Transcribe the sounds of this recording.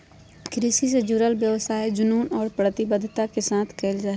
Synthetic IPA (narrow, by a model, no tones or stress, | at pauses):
kɾisis̬ed͡ʒʊɾəlbjəʋsaːed͡ʒʊnuːnɔːɾpɾət̪ɪbəd̪ʱt̪akesaːt̪ʰkeːld͡ʒaɦ